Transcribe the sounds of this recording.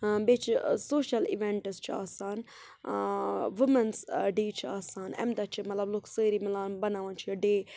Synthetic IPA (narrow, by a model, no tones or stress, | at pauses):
beːt͡ʃʰsoːʃɐlḭʋẽɳʈɨst͡ʃʰia̰ːsaːn | ʋɪmɐnsɖiːt͡ʃʰiaːsaːnɛ̰md̪ɐt͡ʃʰimɐt̪lɐbloːksəːɾimɪlaːnbɐnaːʋãːnt͡ʃʰijɐɖeː